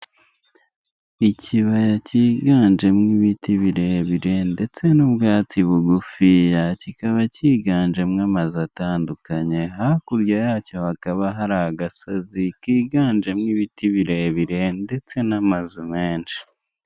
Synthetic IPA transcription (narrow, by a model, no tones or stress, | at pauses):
iciβajaciːɡaːnd͡ʒe̞mŋiβitiβiɾe̞βiɾe̞nde̞t͡se̞nubɡaːt͡siβuɡufijacikaβaciːɡaːnd͡ʒe̞mŋamazataːndukaɲe̞ɦakuɾɟajaːco̞hakaβaɦaɾaaɡasazikiːɡaːnd͡ʒe̞mŋiβitʰiβiɾe̞βiɾe̞nde̞t͡se̞namazumeːnʃi̥